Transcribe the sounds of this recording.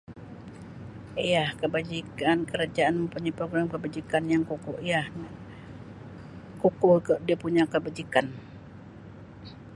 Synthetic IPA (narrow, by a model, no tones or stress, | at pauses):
jahkəbad͡ʒikankəɾad͡ʒaʔanməmpuɲapɾoɡɾamkəbad͡ʒikanjaŋkukʊhjah | kukʊhkdiapuɲakəbad͡ʒikan